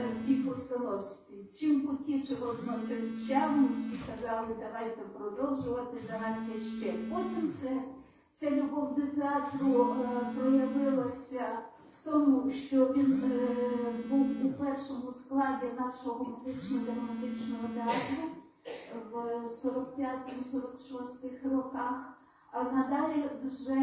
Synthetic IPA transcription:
wtʲipɔst̪ɐnɔwsʲt̪ʲit͡ʃɪmbʊtʲiʃɛɦɔt̪nɔsɪt͡ʃawmɪwsʲikɐzɑlˠɪd̪ɐɦɑjt̪ɐpɾɔd̪ɔwʒʊʋɐt̪ɪd̪ɐɦɑjt̪ʲɛʃt͡ʃɛpɔtʲimt̪sɛ | t̪sɛlʲʊɦɔwnʊt̪eɑt̪rʊpɾɔjɐʋɪlˠɐsʲɐ | wt̪ɔmʊʃt͡ʃɔʋʲin | buwupɛrʃɔmʊsklˠɑdʲinɑʃɔɔɔmʊzɪt͡ʃnɔd̪ɐɾɔmɐt̪ɪt͡ʃnɔɦɔt̪eɑt̪rʊ | ʋsɔɾɔkpʲjat̪ɔmsɔɾɔkʃɔst̪ɪxrɔkɑx | ɐnɐd̪ɑlʲiʒɛ

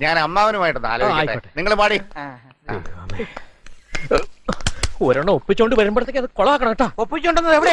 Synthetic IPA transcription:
ɲaːnɐmːaːʋɐnɐmaːjiʈːunːa̰ːlaːjʈeɐʈːeniŋːɐɭepaːɽi | me | oɾoɳːɨopːit͡ɕːuoɳɖɨʋɐɾɐmbɐɽɐt̪ːekːɐðɨkoɭɐʋaːkːɐɳɐ̃meʈːaːopːit͡ɕːoɳɖonːɐðeʋiɽe

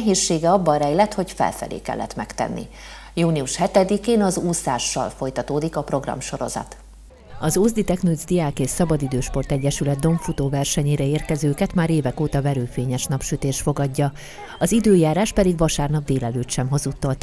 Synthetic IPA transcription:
ɦeːʃːeːɡɛɒbːɒɾɛjlɛt̪ho̞cfɛ̰lfɛ̰lḛːkɛ̰lːɛ̰t̪mɛkt̪ɛ̰nːḭ | juːniuʃhɛt̪ɛd̪ikeːnɒzusaːʃːɒ̰lfo̞jt̪ɒt̪oːd̪ikɒpro̞ɡrɒ̰mʃo̞ɾo̞̰zɒ̰t̪ | ɒzoːzd̪it̪ɛknud̪zd̪iaːkeːʃsɒbɒd̪id̪øːʃpo̞rt̪ɛɟːɛʃylɛd̪̚d̪o̞ɱfut̪oːvɛrʃɛɲeːɾɛeːrkɛzøːkɛt̪maːɾeːvɛkoːt̪ɒvɛɾøːfeːɲɛʃnɒpʃyt̪eːʃt̪fo̞ɡɒɟːɒ | ɒzid̪øːjaːɾaːʃpɛd̪iɡvɒʃaːrnɒb̚d̪eːlɛløːt̪ʃɛmɦo̞zut̪ːɒlt̪

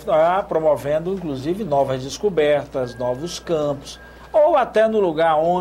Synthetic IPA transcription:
apɾomovẽnd̪ʊĩkluzivɪnɔvɐzd͡ʒɪskubɛɾt̪ɐznɔvʊskɐ̃pʊ̥s | owat̪ɛnʊluɡaɾõ

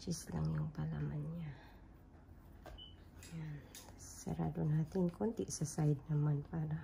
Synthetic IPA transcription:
t͡ʃisla̰ŋjɔŋpalamanɲa | jansə̰ɾa̰dunhat̪inkont̪iʔsəsaid̪̚namanpada

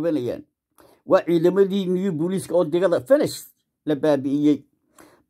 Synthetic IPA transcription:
βɐnɐja̰ːn | wɑːʕiːðɐmɐðiːmɪjubuliːskʰɐɔːd̪ɪɣɐðɐfɛnɛʃ | lɐbaːbɪʔɪjɛj

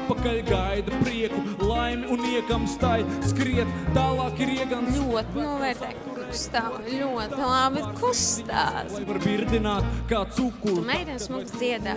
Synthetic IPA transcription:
pakalʲɡajd̪ɐpɾiɛkulˠajmʲiuniɛkamst̪ajskɾiɛt̪t̪aːlˠɑːkiɾiɛɡanʎʲuɔt̪inuɔvɛːɾt̪ɛːkkukst̪alʲuɔt̪ilˠabɪkʰust̪a̰ːzaɾbiɾd̪inaːt̪kaːsukːumɛjd̪ɛnsmuɡzd̪ziɛd̪a̰ː

